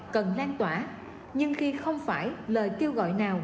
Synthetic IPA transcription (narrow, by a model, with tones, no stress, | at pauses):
kə˨˩nlaː˧nt̪waː˧˩ | ɲɨ˧ŋxi˧xə˧wŋ͡mfaː˧˩jləː˨˩jke˧əwɣɔ̰˧˨jnaː˨˩w